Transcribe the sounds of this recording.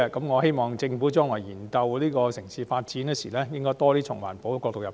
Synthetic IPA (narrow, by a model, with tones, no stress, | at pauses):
ɛ˧kɐ˨˦mŋɔː˨˧he˥jmɔː˨˩ŋt͡sɪ˧ŋfu˨˥t͡ʃœː˥ŋlaː˨˩jjiː˨˩nkɐ˧wliː˥kɔː˧sɪ˨˩ŋsiː˨faː˧t̚t͡siː˨˥nɛ˥sḭː˨˩lɛː˥jɪ˥ŋkɔː˥t̪ɔː˥t̪iː˥t͡sʰʊ̰˨˩ŋwa̰ː˨˩npo˨˥wkːɔː˧kt̪o˨wjɐ˨p